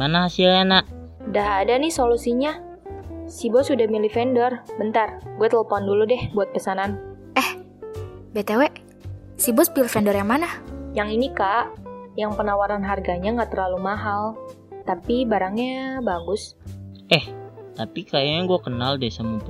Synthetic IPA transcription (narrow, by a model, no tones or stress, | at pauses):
manahasilanaʔ | daɦadanɪhsolusiɲa | sibɔsudahmilifɛndɔrbənt̪arɡuat̪əlpɔnduludɛhbuat̪̚pəsanan | ʔɛh | bet̪ewɛʔ | sibɔsmilifɛndɔrjaŋmanahjaŋinikaʔjaŋpənawaɾanɦarɡaɲaŋɡaʔt̪ərlalumaɦal | t̪apibaɾaŋɲabaɡʊsʔɛht̪apikajaŋɡuakənaldasaməp